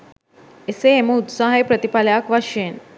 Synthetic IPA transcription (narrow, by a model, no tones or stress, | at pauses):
eseːməut̪saɦepɾət̪ipaljakʋaɕen